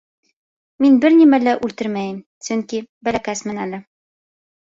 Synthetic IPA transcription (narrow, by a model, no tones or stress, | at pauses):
minbɘɾnimælæʔʉlt̪ɘɾmæjɘm | sɵŋkibælækæsmɘnælɘ